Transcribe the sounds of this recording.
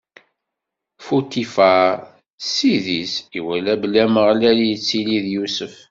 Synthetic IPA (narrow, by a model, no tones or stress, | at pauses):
fut̪ifa | siðisiwælæbəlːæməʁlælijət͡sːiliðjusəf